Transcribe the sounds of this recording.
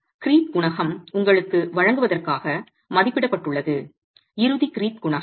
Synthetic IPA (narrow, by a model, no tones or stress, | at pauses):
kɪɾiːt̪̚ɡʊɳɐɣɐmʊŋɡɐɭɯkːɯʋɐɻɐŋɡɯʋɐðɐrkaːɣɐ | mɐðɪpːɪɽɐpːɐʈːɯɭːɐðɯ | ɪɾɯðikɪɾiːt̪̚ɡʊɳɐɣ